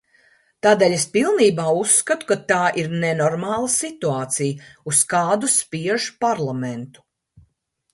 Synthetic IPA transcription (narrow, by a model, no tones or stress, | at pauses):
t̪aːd̪eːlʲespilˠniːbaːusːkat̪u̥kat̪aːʔiɾnɛnɔɾmaːlˠɐsit̪uaːt̪sijuskaːd̪uspiɛʒu̥paɾlˠamɛnt̪u̥